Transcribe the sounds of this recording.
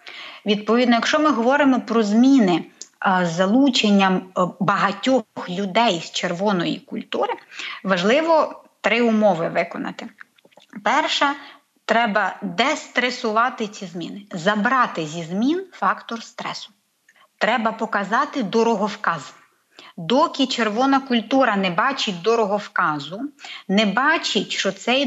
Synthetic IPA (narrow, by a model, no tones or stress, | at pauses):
ʋʲid̪̚pɔʋʲid̪nɔjɐkʃt͡ʃɔmɪɦɔʋɔɾɪmɔpɾɔzmʲinɪ | zɐlˠut͡ʃenʲːɐmbɐɦɐtʲɔxlʲʊd̪ɛjst͡ʃerʋɔnɔjḭkʊlʲt̪uɾɪʋɐʒlˠɪʋɔt̪ɾɪʊmɔʋɪʋɪkɔnɐ̰t̪ɪ | pɛrʃɐ | t̪ɾɛbɐd̪ɛst̪ɾesʊʋɑt̪ɪt͡sʲizmʲinɪzɐbɾɑt̪ɪzʲizmʲinfɑkt̪ɔrst̪ɾɛsʊ̥ | t̪ɾɛbɐpɔkɐzɑt̪ɪd̪ɔɾɔɦɔwkɑz | d̪ɔkʲit͡ʃerʋɔnɐkʊlʲt̪uɾɐnɛbɑt͡ʃɪt̚ʲd̪ɔɾɔɦɔwkɑzʊnɛbɑt͡ʃɪtʲʃt͡ʃɔt̪sɛj